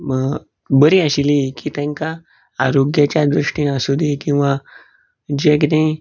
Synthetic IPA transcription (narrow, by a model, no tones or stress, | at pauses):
bəɾiaɕilikiːt̪ɛ̃ŋkaː | ɾoɡjat͡ɕjad̪ɾuʂʈĩnasud̪ʱikĩw̃ʋa | d͡ʑekne